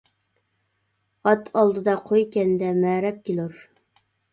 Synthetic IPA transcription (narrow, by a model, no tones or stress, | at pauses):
ɑt̪ʰɑlˠd̪ɨd̪ɑqʰojkʲɛnd̪ɛmɛɾɛp̚kʲiloɾ